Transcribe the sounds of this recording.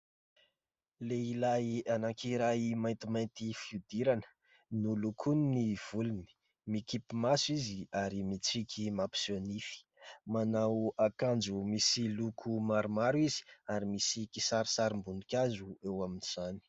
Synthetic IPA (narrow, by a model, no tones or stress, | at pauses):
leilajanakʰiɾajimajnt̪imajnt̪ifiud̪iɾanə̥ | nulukʰuniniv̥uluni̥ | mikipimasuiziaɾimit͡sikʲʰimapi̥sonifi̥manawakand͡ʒumisilukʰumaɾumaɾwizi̥aɾimisikisaɾisaɾimbunikʲazuewaminiz̥ani̥